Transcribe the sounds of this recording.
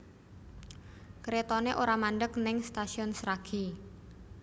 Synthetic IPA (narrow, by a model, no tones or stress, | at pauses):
kɾet̪ɔneʔoɾamanɖək̚nɪŋst̪asiɔnsɾaɡ̥i